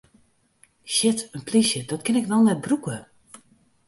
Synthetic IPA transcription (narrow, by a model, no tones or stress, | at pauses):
ʃɪtənplisjədɔtkɪnɪkʋɛlˠnɛt̚brukə